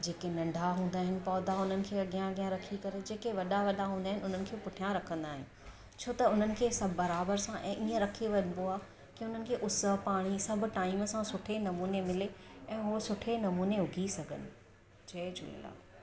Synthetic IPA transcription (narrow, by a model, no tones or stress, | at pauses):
d͡ʑeːkenɐ̃ɳɖʱaɦũːnd̪aːɦɪnɪ̆pɔːd̪aʊn̤ənɪ̆kʰeːɐɠijãɐɡijãɾɐkʰikɐɾed͡ʑeːkeʋɐɗaʋɐɗaɦũːnd̪aːɦɪnʊn̤ənɪ̆kʰeːpʊʈʰijãɾɐkʰə̃nd̪aːɦɪ̰nɪ̆ | t͡ɕʰoːt̪ɐʊn̤ənɪ̆kʰeːsɐbʱːɐɾaːbəɾsãʔɛ̃ːʔiːə̃ɾɐkʰeʋɐɲnb̪oaː | kiʊn̤ənɪ̆kʰeːʔʊsəɦpaːɽ̃isɐbʱʊ̆ʈaːiməsãsʊʈʰenɐmuːnemɪleɛ̃ːɦosʊʈʰenɐmuːneɦʊɡʱisɐɡʱə̰nɪ̆ | t͡ɕɐed͡ʑʊ̰lḛla̰ː